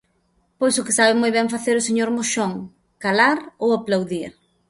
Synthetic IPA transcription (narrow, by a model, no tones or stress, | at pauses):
pojsʊkɪ̥saβɪmojβɛ̃ɱfaθeɾʊseɲoɾmoʃoŋ | kalaɾowaplawðiɾ